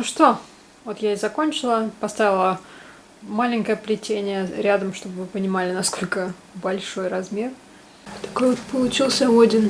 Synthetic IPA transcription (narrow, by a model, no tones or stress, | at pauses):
uʂt̪o̞ | vo̞t̪jaɪzɐko̞nʲt͡ɕɪlˠəpɐst̪avʲɪlˠə | malʲɪŋʲkəjəplʲɪtʲenʲɪjəɾʲad̪əmʂt̪o̞bɨvɨpənʲɪmalʲɪnɐsko̞lʲkə | bɐlʲʂo̞jrɐzmʲe̞r | t̪ɐ̥kojvot̪pəlˠʊt͡ɕilˠsʲəodʲɪn